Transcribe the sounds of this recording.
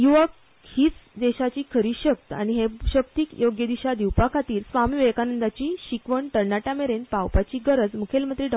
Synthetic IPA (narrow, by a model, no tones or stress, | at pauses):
juʋək | hiːt͡sd̪eɕat͡ɕiːkʰəɾiːɕək̚t̪əa̰ɽ̃iɦeɕəkt̪iːkjoɡjəd̪iɕad̪iwpakʰat̪iːɾsʋamiːʋekanənd̪at͡ɕiːɕikʋəɳʈəɾnaʈameɾenpawpat͡ɕiːɡəɾəd͡zmukʰelmət̪ɾiɖ